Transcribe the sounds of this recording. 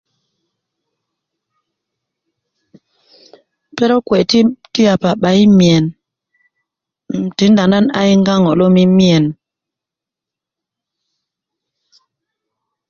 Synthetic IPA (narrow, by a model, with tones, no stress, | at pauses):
pe˦ɾɔ˦kwe˨ti˦ti˦a˨pa˨ɓa˨˦i˦mi˨ɛ˨n | m̩˨ti˨˦nda˨na˦na̰˦i˦ŋɡa˦ŋɔ˨lo˦mi˦mi˦e˨n